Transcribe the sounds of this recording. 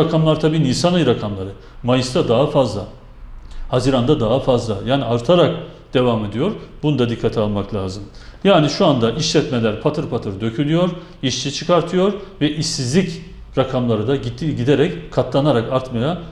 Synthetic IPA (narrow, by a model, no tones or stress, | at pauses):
akʰamlˠaɾt̪ʰabiːniːsanɯjɾakʰamlˠaɾɯ | majɯsd̪ad̪aɦafazlˠa | haziɾand̪ad̪aɦafazlˠajaːniaɾt̪ʰaɾak̚d̪̥e̞vame̞d̪ijo̞ɾbunud̪ad̪ikʰːat̪ʰialˠmaklʲaːzɯmjaːniʃuand̪aʔiʃlʲɛt̪melʲæɾpʰat̪ʰɯɾpʰat̪ʰɯɾd̪ø̞cʰylʲyjo̞ɾ | iʃt͡ʃʰit͡ʃʰɯkʰaɾt̪ʰɯjo̞ɾvɛʔiʃizlʲic | ɾakʰamlˠaɾɯd̪aɟid̪eɾɛckʰːat̪ʰlˠanaɾakaɾt̪maja